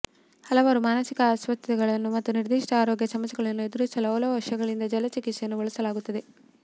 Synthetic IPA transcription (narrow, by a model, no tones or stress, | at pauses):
hɐlɐʋaːɾumaːnɐsikɐasʋɐt̪ːɐtɛɡɐɭɐnːumɐt̪ːuniɾd̪iːʂʈɐaːɾoːɡjɐsɐmɐsɐɡɐɭɐnːued̪uɾɐsɐlɐːlɐʋɐʂɐɡɐɭind̪ɐd͡ʒɐlɐt͡ʃikit̪sejɐnːuʋɔɭɐsɐlaːɡut̪ːɐd̪e̞